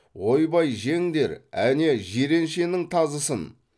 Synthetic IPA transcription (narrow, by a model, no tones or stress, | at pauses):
wo̞jbɑjʒe̞ŋd̪e̞ɾæ̰ne̞ʒeɾe̞nʃe̞nɪŋt̪ʰɑzəsən